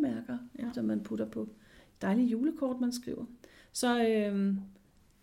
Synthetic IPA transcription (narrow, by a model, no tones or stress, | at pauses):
mæɐɡ̥ɐed̥ɐmænpʰud̥ɐpʰɒ̽ | d̥ɑ̈ɪlijuːləkʰɒ̰ːd̥mænsɡ̥ʁḭːʊɐsɒ̽øm